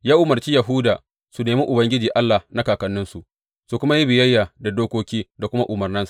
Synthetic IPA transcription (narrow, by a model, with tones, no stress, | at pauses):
jaː˦ʔʊ˨mɐ˨rt͡ʃi˦jɐ˨ɦʊ˦daː˨ | su˨neː˨miː˦ʔʊ˨bɐ˦ŋɡʲɪ˦d͡ʒiː˨ʔa˦lːa˨hna˦kaː˨kɐ˦nːɪ˦nsu˨ʔ | su˨kʷʊ˦ma˦ji˦bɪ˨jɐ˦jːaː˨da˨doː˦kʷoː˦kʲiː˦da˨kʷʊ˦ma˦ʔʊ˨mɐ˨rnɪ˦nsa˨